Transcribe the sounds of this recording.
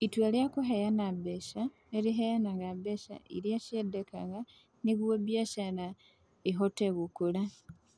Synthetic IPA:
itweljakuɦejanabeʃa | eɾiɦejanaŋabeʃa̰ḭljaʃedekaɣa | niβwobjaʃana | iɦoteɣukula

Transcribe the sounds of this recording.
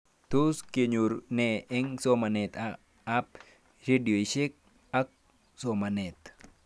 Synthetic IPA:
t̪uskeɲuɾneeŋsomanet̪a | ap̚ | ɾedioʃek̚ | ak̚ | somanet̪

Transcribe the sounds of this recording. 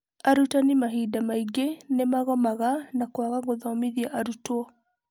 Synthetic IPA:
aɾutanimaɦidamaiɡenemaɣɔmaɣanakwaɣaɣoðɔmiðiaʔaɾutwɔ

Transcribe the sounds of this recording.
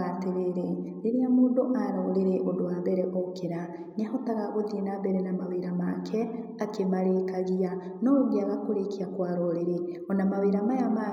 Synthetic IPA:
ateɾeɾeneɾeamoːndoʔaɾɔɾeɾeʔodoaβɛɾɛʔokeɾa | neahɔtaɣaɣoðienabɛɾɛnamaweɾamakʰɛ | akemaɾekaɣia | nɔoɣeaɣakoɾekiakwaɾɔɾeɾe | ɔnamaweɾamajama

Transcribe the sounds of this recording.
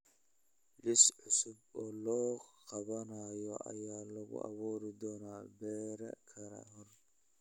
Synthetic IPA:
lɪsʕʊsʊbɔːlɔːqɑβɐnɐjɔʔɐ̰jaːlɐɣʊ̰ʔɐ̰βuːɾɪd̪ɔːnaːbɛːɾɐ̰kʰɐɾɐ̰ɦɔr

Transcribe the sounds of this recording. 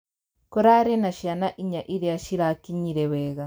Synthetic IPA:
koɾaɾenaʃianaʔiɲaʔiɾeaʃiɾakiɲiɾɛβeɣa

